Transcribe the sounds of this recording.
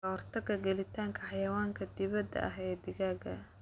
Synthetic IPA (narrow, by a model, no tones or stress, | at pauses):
ɐrt̪ʰɐɡɐɡɛlɪt̪ʰaːŋkʰɐħɑjɐwaːŋkʰɐd̪ɪβɐd̪ɐ̰ʔɐɦɛːd̪ɪɣaːɡɐ